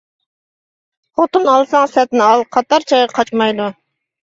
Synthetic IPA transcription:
χot̪unɑlˠsɑŋsɛt̪nɪɑlˠqʰɑt̪ɑɾt͡ʃʰɑjʁɑqʰɑt͡ʃmɑjd̪u

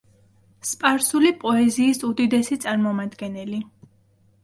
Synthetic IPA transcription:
spʼaɾsulipʼɔɛziːsud̪id̪ɛsit̪sʼaɾmɔmad̪ɡɛnɛli

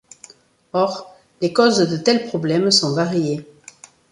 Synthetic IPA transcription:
ɔʁ | lekozd̪ət̪ɛlpχɔblɛmsɔ̃vaʁje

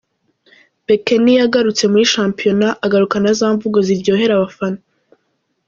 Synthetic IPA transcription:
bekenijaɡaɾut͡se̞muɾiʃaːmpijo̞naʔaɡaɾukanazaːɱvuɡoziɾɟo̞ːɦe̞ɾaβafano

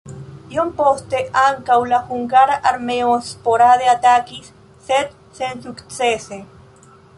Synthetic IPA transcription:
jompost̪eʔaŋkawlaxuŋɡaɾaɾmeospoɾaðeat̪akisː | et̪ | sensukt͡sese

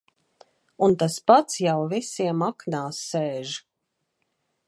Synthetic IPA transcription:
unt̪aspat̪sjawvisiɛmaknaːsːeːʒ

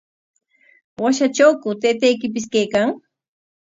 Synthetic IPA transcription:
waʃat͡ʃawkʊt̪ejt̪ajkɪp̬ɪskajkaŋ

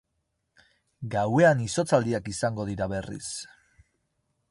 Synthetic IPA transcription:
ɡawe̞aniso̞t͡sald̪iakisaŋɡo̞ðiɾaβe̞rḭs

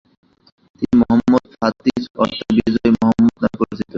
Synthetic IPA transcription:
t̪inimɔɦamːod̪fat̪ːiɾɔt̪obid͡ʑɔemɔɦɔmːod̪̚napoɾid͡ʑʰit̪o

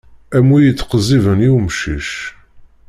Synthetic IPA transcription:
æmujət͡sːqəzˤivəniwmʃiʃ

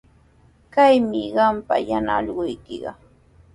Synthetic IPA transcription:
kajmɪɢɑmpajanaʎɢʊjkɪɢɑ̰

